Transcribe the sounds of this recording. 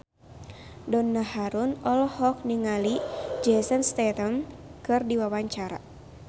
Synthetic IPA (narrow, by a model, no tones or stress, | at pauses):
dɔnːahaɾunɔlɔhɔk̚niŋalid͡ʒɛsənst̪ɛt̪əmkɨrdiwawaɲt͡ʃaɾa̰